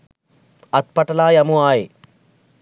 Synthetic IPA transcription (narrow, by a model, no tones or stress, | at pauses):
ɐt̪̚pɐʈɐlaːjɐmuaːji